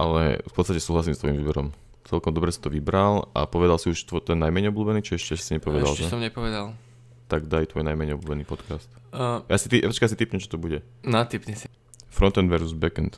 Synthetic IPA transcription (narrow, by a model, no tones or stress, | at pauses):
ʔalɛ̰fpɔt̪st̪acɛsuːɦlasimst̪ʋɔjimvibɛɾɔm | t͡sɛlkɔmd̪ɔbɾɛsi̥t̪ɔʋibɾala̰pɔʋɛd̪alsiuʃt̪ɔt̪ɛnːajmɛɲɛɔbluːbɛniːt͡ʃiɛʃcɛɛ̥siɲɛpɔʋɛalsɛsɔmɲɛpɔʋɛd̪al | t̪aɡd̪ajt̪ʋɔjnajmɛɲɛɔbluːbɛniːpɔt̪kast̪ː | jasit̪iʔt͡ʃkajas̬it̪ipɲɛmt͡ʃɔ̥t̪ɔbuɟɛ | nat̪ipɲɛsi | fɾɔnt̪ɛnd̪ʋɛɾzuzbɛkɛnt̪